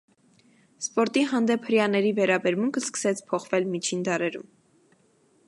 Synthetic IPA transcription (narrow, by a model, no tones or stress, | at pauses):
spɔɾt̪iɦɑnd̪ɛpʰhəɾjɑnɛɾivɛɾɑbɛɾmuŋkʰəskə̥sɛt͡sʰpʰɔχvɛlmit͡ʃʰind̪ɑɾɛɾṵm